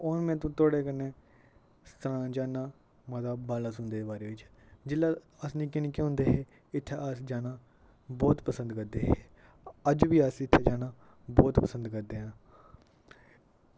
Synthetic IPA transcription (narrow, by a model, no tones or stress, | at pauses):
oːɾmɛ̃ːt̪̬õːt̪oːɽeːkənːeː | st̪əɾãːd͡ʒaːnaː | mãːt̪aːbaːlaːsʊnd̪eːbaːɾeːʋɪt͡ʃd͡ʒɪlːaː | əsnĩːkɪnkeːʊ̃nd̪eːɦeː | ɪt̪ʰːaːəsd͡ʒaːnaː | bɔːt̪pəsə̃nd̪kəɾd̪eːɦeː | əd͡ʒʋiːəsɪt̪ʰːaːd͡ʒaːnaː | bɔːt̪pəsə̃nd̪kəɾd̪eːɦãː